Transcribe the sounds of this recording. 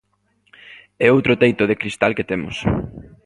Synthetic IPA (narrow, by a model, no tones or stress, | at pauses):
ɛowt̪ɾot̪ejt̪ʊð̞ekɾist̪alket̪emʊ̰s